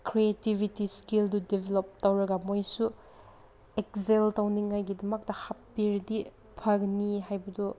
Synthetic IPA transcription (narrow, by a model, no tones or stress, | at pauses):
kʰɾietibʱitiskildudebʱelop̚tɐwɾɐɡɐmojsu | ek̚zeltawniŋːajɡidɐmɐk̚tɐhapːiɾdi | pʰɐɡniɦajbɐdu